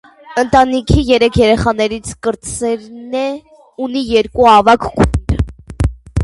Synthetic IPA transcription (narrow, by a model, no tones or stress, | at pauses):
ənt̪ɑnikʰijɛɾɛkʰjɛɾɛχɑn̪ɛɾit͡sʰkəɾt͡sɛɾnɛ | unijɛɾkuɑvɑkʰɡuɾ